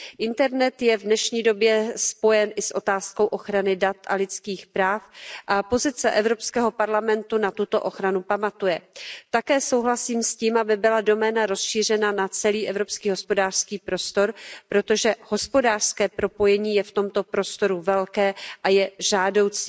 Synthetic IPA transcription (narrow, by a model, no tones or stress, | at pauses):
ʔɪnt̪ɛɾnɛt̪jɛvdnɛʃɲiːdo̞bjɛspo̞jɛnʔɪsʔo̞t̪aːsko̞wʔo̞xɾanɪdat̪ʔa̰lɪt͡skiːxpɾaːfʔapo̞zɪt͡sɛʔɛvɾo̞pskɛːɦo̞paɾlamɛnt̪unat̪ut̪o̞ʔo̞xɾanupamat̪ujɛt̪akɛːso̞wɦlasiːmsciːmʔabɪbɪlado̞mɛːnaɾo̞sʃiːr̝ɛnanat͡sɛliːʔɛvɾo̞pskiːɦo̞spo̞daːr̥skiːpɾo̞st̪o̞ɾpɾo̞t̪o̞ʒɛho̞spo̞daːr̥skɛːpɾo̞po̞jɛɲiːjɛft̪o̞mt̪o̞pɾo̞st̪o̞ɾuvɛlkɛːʔajɛʒaːdo̞wt͡si̥ː